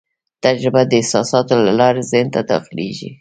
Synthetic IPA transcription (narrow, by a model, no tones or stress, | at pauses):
t̪ad͡ʒɾɪbad̪əɪhsɑsɑt̪olalɑɾezɪnt̪ad̪ɑ̰xɪleʒḭ